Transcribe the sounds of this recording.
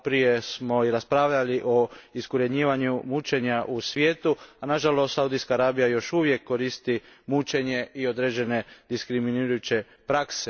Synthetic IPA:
pɾije̞smo̞iɾaspɾaʋʎaliʔo̞iskoɾe̞d̪ɲiːʋaɲumut͡ʃe̞ɲaʔusʋjeːt̪uanaʒalost̪saud̪ijskaːɾaːbijajo̞ʃuʋje̞kːo̞ɾist̪imut͡ʃe̞ɲe̞ʔio̞d̪ɾed͡ʑe̞ne̞d̪iskɾiminiɾujut͡ɕe̞ | pɾakse

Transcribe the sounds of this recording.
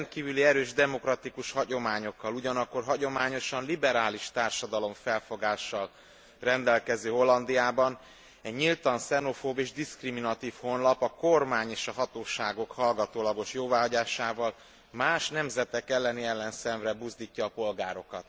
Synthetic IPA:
nt̪̚kiːvyliɛɾøːʒd̪ɛmo̞krɒt̪ikuʃhɒɟo̞maːɲo̞kːɒluɟɒnɒkːo̞rɦɒɟo̞maːɲo̞ʃɒnlibɛɾaːliʃt̪aːrʃɒd̪ɒlo̞ɱfɛlfo̞ɡaːʃːɒl | rɛnd̪ɛlkɛzøːɦo̞lːɒnd̪ijaːbɒn | ɛɟɲilt̪ɒnsɛno̞foːbeːʒd̪iskriminɒt̪iːfho̞nlɒpɒkormaːɲeːʃɒɦɒt̪oːʃaːɡo̞khɒlɡɒt̪oːlɒɡo̞ʃjoːvaːɦɒɟaːʃaːvɒl | maːʃnɛmzɛt̪ɛkɛlːɛniɛlːɛnsɛɱvrɛbuːzd̪iːcːɒːpo̞lɡaːɾo̞kɒt̪

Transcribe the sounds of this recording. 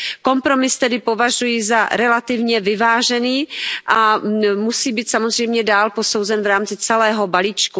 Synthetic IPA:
ko̞mpɾo̞mɪst̪ɛdɪpo̞vaʒujɪzaɾɛlat̪ɪvɲɛvɪvaːʒɛniːʔamusiːbiːt̪samozr̝ɛjmɲɛdaːlpo̞sowzɛnvɾaːmt͡sɪt͡sɛlɛːɦo̞baliːt͡ʃku

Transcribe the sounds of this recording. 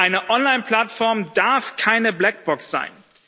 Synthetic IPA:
ʔaɪnəʔɔnlaɪnpl̥atfɔɐmdaɐfkʰaɪnəblɛk̚b̥ɔksz̥a̰ɪn

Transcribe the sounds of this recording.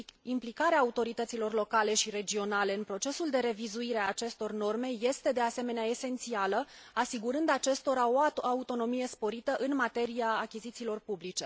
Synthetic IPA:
implikaɾeaːut̪o̞ɾit̪ət̪silo̞rlo̞kale̞ʃiɾe̞d͡ʒio̞nale̞ɨnpɾo̞t͡ʃe̞suld̪e̞ɾe̞vizuiɾeaːt͡ʃe̞st̪o̞rno̞rme̞je̞st̪e̞d̪e̞ase̞me̞neae̞se̞nt̪sialəasiɡuɾɨnd̪at͡ʃe̞st̪o̞ɾao̞aut̪o̞no̞mije̞spo̞ɾit̪əʔɨnmat̪e̞ɾiaːkʲizit̪siːlo̞rpublit͡ʃe̞

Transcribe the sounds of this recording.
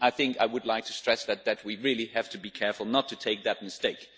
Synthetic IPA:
ʔaɪθɪ̃ŋkaɪwɨdˡlaɪk̚tʰɨ̥stɹ̥ɛsðɨt̪̚ðɨt̚wiɹɪlˠihæftʰɨbikʰɛɹfl̩ˠnətʰɨtʰeɪk̚ðɨt̚mɨsteɪk

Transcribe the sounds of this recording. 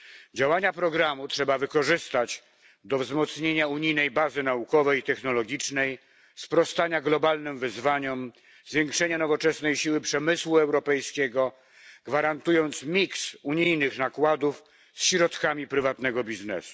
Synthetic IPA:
d͡ʑawaɲapɾɔɡɾamutʂɛbavɘkɔʐɘst̪at͡ɕ | d̪ɔvzmɔt̪sɲeɲauɲijnɛjbazɘnaukɔvɛjit̪ɛxnɔlɔɡʲit͡ʂnɛj | spɾɔst̪aɲaɡlɔbalnɘmvɘzvaɲɔm | zvʲjeŋkʂɛɲanɔvɔt͡ʂɛsnɛjɕiwɘpʂɛmɘswuɛwɾɔpɛjskʲeɡɔ | ɡ̥vaɾant̪ujɔnt̪smʲiksuɲijnɘxnakwad̪uf | sɕɾɔt̪kamʲipɾɘvat̪nɛɡɔbʲiznɛ̰su̥

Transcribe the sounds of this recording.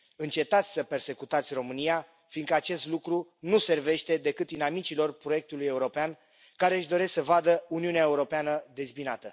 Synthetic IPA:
ɨnt͡ʃe̞t̪at̪sʲsəpe̞rse̞kut̪at̪sʲro̞mɨnija | finkəat͡ʃe̞st̪lukɾunuse̞rve̞ʃt̪e̞d̪e̞kɨt̪inamit͡ʃilo̞rpɾo̞jek̚t̪uluje̞uɾo̞pean | kaɾe̞ɨʃd̪o̞ɾe̞sksəvad̪əuniuneaeuɾo̞peanəd̪e̞zbinat̪ə

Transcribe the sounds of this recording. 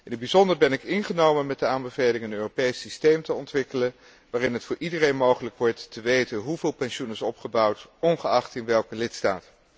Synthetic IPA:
ɪnɦəd̚bizɔndəɹbɛnɪkɪnχənowmənmɛt̚dəaːnbəvejlɪŋənøːropejsistejmtəɔntʋɪkələn | ʋaːrɪnɦətfʊːɹʔidərejnmowχələkʋɔɹtːəʋejtənɦuvɪːlˠpɛnʃunɪsɔpχəbɑwtɔnχəɑχtɪnʋɛlˠkəlɪtsta̰ːt

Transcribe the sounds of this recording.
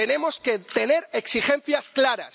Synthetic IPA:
ene̞mo̞ske̞t̪e̞ne̞ɾeksixe̞n̟θjasklaɾa̰s

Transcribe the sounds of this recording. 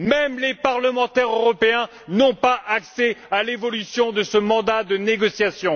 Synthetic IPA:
mɛmlepaʁləmɑ̃t̪ɛʁøʁɔpeɛ̃ | nɔ̃paʔaksɛalevɔlysjɔ̃d̪əsəmɑ̃d̪ad̪əneɡɔsjasjɔ̃

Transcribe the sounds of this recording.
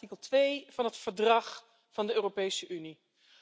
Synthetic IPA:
ikəlˠtʋejv̥ɑnɦətfəɹdrɑχ | vɑndəøːropejsəʔyni

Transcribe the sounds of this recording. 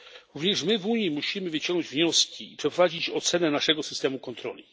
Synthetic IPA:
ɾuvɲɛʂmɘvuɲjimuɕimɘvɘt͡ɕɔŋɡnɔd͡ʑvɲɔskʲiipʂɛpɾɔvad͡ʑit͡ɕɔt̪sɛnɛnaʂɛɡɔsɘ̥st̪ɛmukɔnt̪ɾɔ̰lʲi

